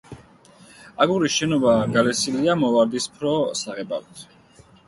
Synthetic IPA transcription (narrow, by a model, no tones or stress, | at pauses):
aɡuɾisʃɛnɔbaɡalɛsiliamɔvaɾd̪ispʰɾɔsaʁɛba̰vit̪ʰ